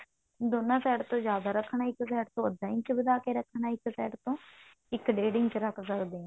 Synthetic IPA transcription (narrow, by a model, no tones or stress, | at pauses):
d̪oːnãːsɛːʈt̪õːd͡ʒjaːd̪aːɾəkʰːɳaːɪksɛːʈt̪õːəd̪ːãːɪ̃ɲt͡ʃbəd̪aːkeːɾəkʰːɳãːɪksɛːʈt̪õː | ɪkɖeːɖɪ̃ɲt͡ʃɾəkʰsəkd̪eːɛ̃ː